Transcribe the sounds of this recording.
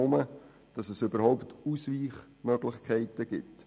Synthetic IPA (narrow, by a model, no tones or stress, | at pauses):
ʊmə | d̥ɑsɛsʏbəɾhɔʊpt̪usʋiːχ | mœɡ̥lɪχkʰɛɪtəɡ̥ɪt